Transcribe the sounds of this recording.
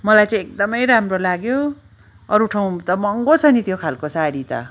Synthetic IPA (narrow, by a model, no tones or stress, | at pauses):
mʌlajt͡sãj̃ek̚d̪ʌmʌjɾamrolaɡjo | ʌɾuʈʰaw̃t̪ʌmʌŋɡot͡sʰʌnit̪jokʰalkosaɾit̪ʌ̰